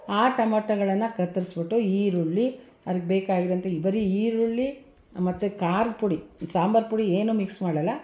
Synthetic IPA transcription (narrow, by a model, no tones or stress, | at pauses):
aːʈɐmɐʈɐɡɐɭɐnːɐkɐt̪ːɐɾisbiʈːuiːɾuɭːi | ɐɾik̚beːkaːɡiɾɐnt̪ɐibɐɾiiːɾuɭːi | mɐt̪ːukaːɾd̪puɽisaːmbɐɾpuɽieːnumiksmaːɽɐlːɐ